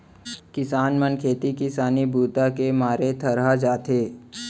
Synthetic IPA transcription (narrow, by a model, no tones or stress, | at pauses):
kɪsaːnmənkʰeːt̪ikɪsaːnibʱuːt̪akemaːɾet̪ʰəɾɦad͡ʒaːt̪ʰeː